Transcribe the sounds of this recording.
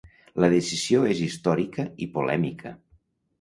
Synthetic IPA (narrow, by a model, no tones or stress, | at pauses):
ləðesiz̥ioezist̪ɔɾikəipolɛ̰mikʰə̰